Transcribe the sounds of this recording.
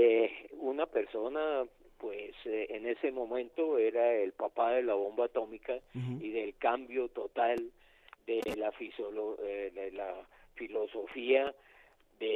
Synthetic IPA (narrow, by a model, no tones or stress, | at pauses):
eunape̞ɾso̞napwesene̞se̞mõ̞mẽnt̪o̞e̞ɾaelpapaðe̞laβombat̪o̞mikaiðe̞lkambjo̞t̪o̞t̪al | d̪elafisoloeelafilo̞so̞fia | d̪e